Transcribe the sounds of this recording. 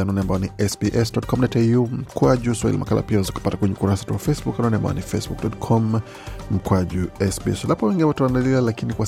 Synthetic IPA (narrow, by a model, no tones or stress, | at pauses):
anɔnɛambaɔniʔɛsbiʔɛsdɔtkɔmnatɛum̩kwaʄuswaḭlḭmakala̰piawazaku̥patakwɛɲɛukuɾasatuwafɛsbukanɔnɛamba̰ɔ̰nifɛsbuk̚dɔtkʰɔm | m̩kwaʄuɛsbiɛ̰slapɔwɛŋɡinɛwatawandalialakinikwa